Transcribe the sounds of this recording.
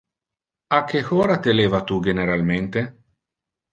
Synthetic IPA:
akːexoːɾat̪eleːvat̪uɡeneɾalment̪e

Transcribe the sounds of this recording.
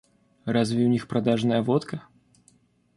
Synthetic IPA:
razvʲɪʊnʲixpɾɐd̪aʐnəjəvot̪kə

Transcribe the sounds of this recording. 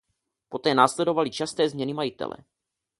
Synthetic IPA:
po̞t̪ɛːnaːslɛdo̞valit͡ʃast̪ɛːzmɲɛnimajɪt̪ɛ̰lɛ̰

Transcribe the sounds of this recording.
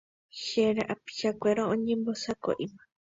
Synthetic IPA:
ʃeɾeʔapi̥ʃakʷeɾoõɲẽmbosako̰ʔima

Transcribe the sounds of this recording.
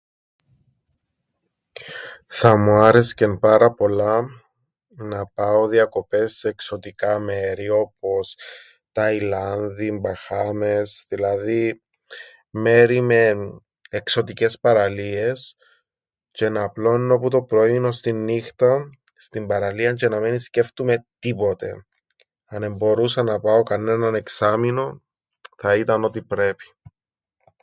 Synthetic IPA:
θɐmuɐɾe̞scempɐɾɐpo̞lɐ | nɐpɐoðiɐko̞pe̞sːeːkso̞t̪ikɐme̞ɾio̞po̞s | t̪ɐjlɐnðimbɐxɐme̞sðilɐði | me̞ɾime̞ː | kso̞t̪ice̞spɐɾɐlie̞s | ce̞nɐplo̞nnːo̞put̪o̞pɾoiinost̪inːixt̪ɐ | st̪imbɐɾɐliɐɲt͡ʃe̞nɐminisce̞ft̪ume̞t̪ipo̞t̪e̞̰ | ɐne̞mbo̞ɾusɐnɐpɐo̞kɐne̞nɐne̞ksɐmino̞ | θɐit̪ɐno̞t̪ipɾe̞pi̥

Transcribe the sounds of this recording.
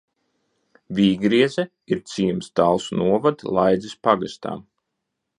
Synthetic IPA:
vʲiːɡɾiɛzɛ | iɾt̪sʲiːumsd̪alˠsnuɔvad̪lˠajd̪zʲispaɡast̪a̰ːm

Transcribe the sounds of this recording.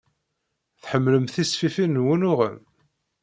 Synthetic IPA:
θħəmːləmθisfifinːwənʊʁə̰m

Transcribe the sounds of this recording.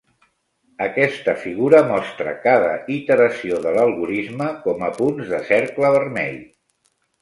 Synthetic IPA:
əkɛst̪əfiɣuɾəmɔst̪ɾə̰kaðəit̪əɾəsioðələlˠɣuɾizməkɔməpunzðəsɛɾkləβərmɛ̰ʎ

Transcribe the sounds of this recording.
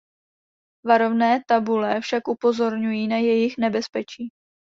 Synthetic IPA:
vaɾovnɛːt̪abulɛfʃakʔupo̞zo̞ɾɲujiːnajɛjɪxnɛbɛspɛt͡ʃiː

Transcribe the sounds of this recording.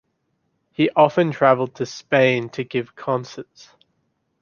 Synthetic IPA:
hiʔɒfə̃ntʰɹ̥avəlˠd̚tʰəspẽɪ̃ntʰəɡɪv̥kʰɒ̃nsəts

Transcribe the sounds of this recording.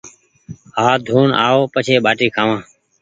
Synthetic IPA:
ɦaːd̪ʱuːna̰ːoːpət͡ʃʰeːɓaːʈiːkʰaːʋãː

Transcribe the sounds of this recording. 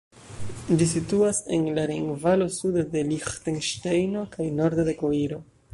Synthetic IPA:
d͡ʒis̬ituase̞̰nlaɾiŋɡvalo̞sudade̞lixtenʃtejno̞kajno̞ɾd̪ode̞ko̞iɾo̞

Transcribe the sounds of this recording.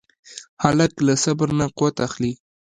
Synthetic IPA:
hɑlat̪lasabɾnaqʊwat̪axli

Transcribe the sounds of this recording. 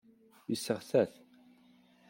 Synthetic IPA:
isːəʁθæθ

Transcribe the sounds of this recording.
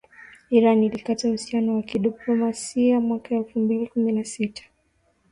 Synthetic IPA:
iɾanilikatahusianɔwakiɗiplɔmasiamwakaɛlfumbilikuminasitʰḁ

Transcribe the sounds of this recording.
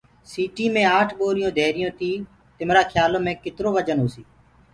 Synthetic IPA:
siːʈiːmẽːaːʈʰɓoːɾɪjõːd̪ʱeːɾɪjõːt̪iː | t̪ɪmɾaːkʰjaːloːmẽːkɪt̪ɾoːʋəd͡ʒənɦoːsiː

